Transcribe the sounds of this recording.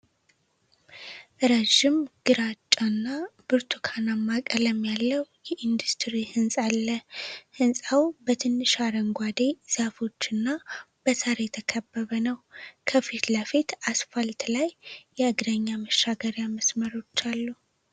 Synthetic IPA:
ɾəʒːɪmɡ̥ɨɾat͡ʃʼːanːab̥ɨɾt̪ʰukʰanamːakʼələmːjalːəwjɛʔind̪ust̪ʰɾihɨnsʼalːəhɨnsʼawbət̪ʰɨnːɨʃaɾəŋɡʷad̪ez̥afo̞t͡ʃːɨnːa | b̥əsaɾejɛt̪ʰəkʰəbːəβənəwkʰəfit̪lafit̪asfalt̪lajːɛɨɡd̪əɲːaməʃːaɡəɾjaməsməɾo̞t͡ʃːalːu

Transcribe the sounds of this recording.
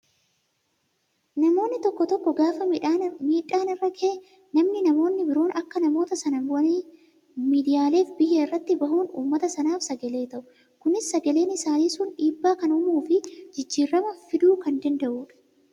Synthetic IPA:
nɐmo̞ːnːɪt̪ɔkːɔt̪ɔkːɔɡaːfɐmiːᶑaːnɪrːɐkʰeː | nɐmnɪnɐmo̞ːnːɪbɪɾo̞ːnɐkːɐnɐmo̞ːt̪ɐsɐnɐɐnː | miːd̪ɪjaːle̞ːfbɪheːɪrːɐt̪ːɪbɐɦuːnṵːmːɐt̪ɐsɐnaːfsɐɡɐle̞ːt̪ɐʔʊ | kʊnɪsːɐɡɐle̞ːnɪsaːniːsʊnᶑiːbːaːkɐnʊmuːfɪd͡ʒɪd͡ʒːiːrːɐmɐfɪd̪uːkɐnd̪ɐnd̪ɐʔuːᶑɐ̥

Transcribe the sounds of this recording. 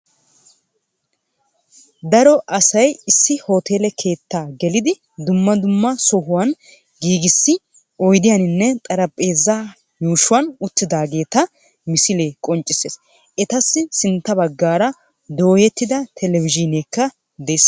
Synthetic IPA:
d̪ɐɾɔʔɐsɐjɪsːɪho̞ːt̪e̞ːlɛkʰe̞ːt̪ːaːɡɛlɪd̪ɪ | d̪ʊmːɐd̪ʊmːɐsɔɦʊwɐn | ɡiːɡɪsːɪ | ɔjd̪ɪjɐnɪnːɛt̪ʼɐɾɐpʼːe̞ːzːa | juːʃʊwɐnʊt̪ːɪd̪aːɡe̞ːt̪ɐ | mɪsɪle̞ːkʼɔnt͡ʃʼːɪseːs | ɛt̪ɐsːɪsɪnt̪ːɐbɐɡːaːɾɐ | d̪o̞ːjɛt̪ːɪd̪ɐt̪ʰɛlɛvɪd͡ʒɪneːkːɐ | d̪ɛs

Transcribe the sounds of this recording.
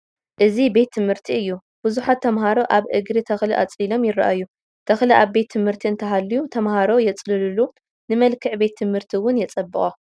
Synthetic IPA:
ʔɨzibe̞t̪ʰːɨmhɨɾt̪ʰiɨjːu | b̥ɨzuħat̪ʰːɐmhaɾo̞ʔaβʔɨɡɾit̪ʰɐxliʔa̰t͡sʼilo̞mjɪɾa̰ʔajːu | t̪ʰɐxliʔaβbe̞t̪ʰːɨmhɨɾt̪ʰiɨnt̪ʰɐɦalːijut̪ʰɐmhaɾo̞jɛt͡sʼlɨlɨlu | nɨmɐlkʰɨʕbe̞t̪ʰːɨmhɨɾt̪ʰiwʊnjɛt͡sʼɐbːɨχʼo

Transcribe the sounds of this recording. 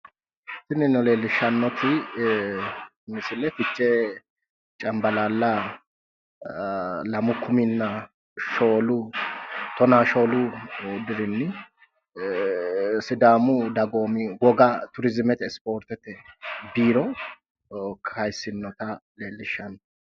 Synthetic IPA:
sɪnɪnːɔle̞ːlːɪʃːɐnːɔt̪ɪ | nɪsɪlːɛfɪt͡ʃːɛ | t͡ʃʼɐmbɐlaːlːɐ | lɐmʊkːʊmɪnːɐ | ʃoːlʊ | t̪ɔnaːʃo̞ːlʊd̪ɪɾɪnːɪ | sɪd̪aːmʊd̪ɐɡo̞ːmɪwɔɡɐt̪ʊɾɪzɪmɛt̪ɛspo̞ːɾt̪ɛt̪ɛbiːɾɔ | kɐjsɪnːɔt̪ɐle̞ːlːɪʃːɐnːɔ

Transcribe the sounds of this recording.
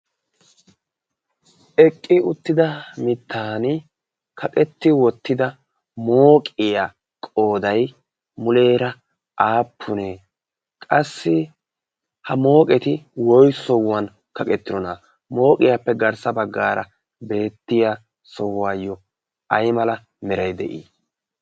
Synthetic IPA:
ʔɛkʼːɪʊt̪ːɪd̪ɐmɪt̪ʰːaːnɪ | kʰɐkʼɛt̪ːɪwɔt̪ːɪd̪ɐ | mo̞ːkʼɪja | kʼo̞ːd̪ɐj | mʊle̞ːɾɐ | ʔaːpʰːʊneː | kʼɐsːɪ | hɐmo̞ːkʼɛt̪ɪwɔjsɔwːɐn | kɐkʼɛt̪ːɪd̪ɔnɐ | mo̞ːkʼɪjapːɛɡɐɾsɐbɐɡːaːɾɐ̰ | be̞ːt̪ːɪja | sɔwːaːjːɔ | ʔɐjmɐlɐ | mɛɾɐjd̪ɛʔiː

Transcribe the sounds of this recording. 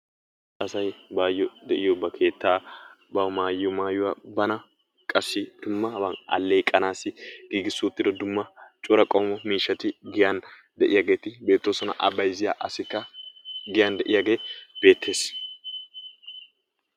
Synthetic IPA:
ɐsɐjbaːjːɔd̪ɛʔɪjɔbɐkʰe̞ːt̪ːaːbɐmaːjːɔmaːjʊwɐbɐnɐ | kʼɐsːɪd̪̥ʊmːɐbɐnɐ̰lːejkʼɐnaːsːɪɡ̥iːɡɪsːʊt̪ːɪd̪ɔd̪ʊmːɐt͡ʃʼʊɾɐkʼoːmɔmiːʃːɐt̪ɪɡɪjan | d̪ɛʔɪjɐɡe̞ːt̪ɪbe̞ːt̪ːoːsɔnɐ̰ʔɐbɐjzɪja̰ːʔɐsɪkːɐɡɪjand̪ɛʔɪjaɡe̞ːb̥e̞ːt̪ːe̞ːs

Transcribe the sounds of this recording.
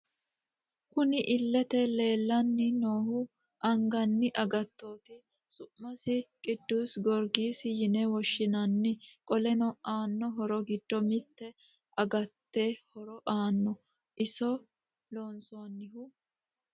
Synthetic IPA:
kʊnɪʔɪlːɛt̪ɛle̞ːlːɐnːɪnoːhʊ | ʔɐŋɡɐnːɪʔɐɡɐt̪ːo̞ːt̪ɪ | sʊʔmːɐsɪkʼɪd̪ːusɡɔɾɡiːsɪjɪnɛwɔʃːɪnɐnːɪkʼɔlɛnɔʔaːnːɔɦɔɾɔɡɪd̪̥ːɔmɪt̪ːɛ | ʔɐɡɐt̪ːeːhɔɾɔʔaːnːɔ | ʔɪsɔ | lo̞ːnsoːnːɪhʊ

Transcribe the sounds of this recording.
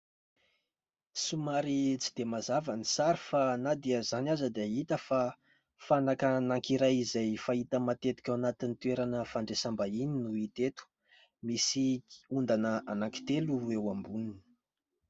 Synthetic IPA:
sumaɾit͡si̥d̪̥emazavənisaɾifanad̪eəzanazəd̪eit̪əfa | fanakanaŋkiɾajizajfait̪əmat̪et̪i̥kʲawanat̪init̪ueɾanəfaɳɖ͡ʐesambaininuit̪et̪u̥ | misiund̪anəanaŋki̥t̪eluewambunini̥

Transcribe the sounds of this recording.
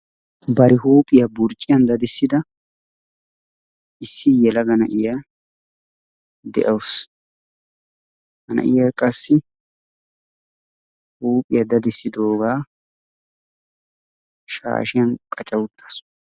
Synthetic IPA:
bɐɾɪhuːpʼɪjɐbʊɾt͡ʃʼːɪjɐnd̪ɐd̪ɪsːɪd̪ɐ | ʔɪsːɪjɛlɐɡɐnɐʔɪja | d̪ɛ̰ʔɐwʊs | hɐnɐ̰ʔɪjaːkʼɐsːɪ | huːpʼɪjɐd̪ɐd̪ɪsːɪd̪oːɡaː | ʃa̰ːʃɪjɐnkʼɐt͡ʃʼɐwʊt̪ːɐ̥s

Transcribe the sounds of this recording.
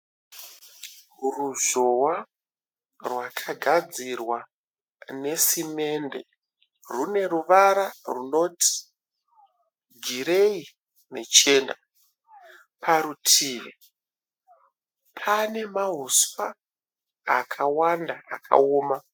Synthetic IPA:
ruʐowa | rwakʰaɡʱad͡zirwa | ne̞sime̞nde̞̰ | rune̞ɾuʋaɾaruno̞tʰi̥ | ɡʱiɾe̞i | ne̞t͡ʃe̞ːna | pʰaɾutʰiːʋḛ | pʰane̞maɦuswaː | kʰawandaa̰kʰa̰oːma

